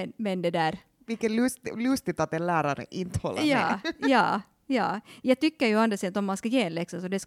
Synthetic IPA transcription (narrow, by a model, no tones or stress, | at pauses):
nmɛnd̪ɛd̪æːɾ | vɪlkːəlʉst̪lʉst̪ɪt̪at̪ɛnlæːɾaɾə̰ʔɪnt̪əhɔ̰lːʔa̰jɑːjɑː | jɑːjɑːɡ̚t̪ʏkːəɾjʉand̪əsed̪t̪ɔmːanskɑjeːnlɛksɔsɔd̪ɛs